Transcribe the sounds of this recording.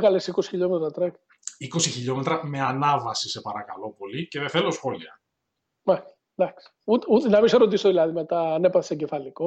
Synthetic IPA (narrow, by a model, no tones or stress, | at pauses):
ɣɐlesikosi̥çiʎo̞met̪ɾɐt̪ɾek | iko̞siçiʎo̞me̞t̪ɾɐme̞ɐnɐvɐsise̞pɐɾɐkɐlo̞po̞lice̞ðeθelo̞sxo̞liɐ | mɐ̥ | d̪ɐks | ut̪ut̪enɐmiseɾot̪̬isoðilɐðime̞t̪ɐːne̞pɐθe̥seɟefɐliko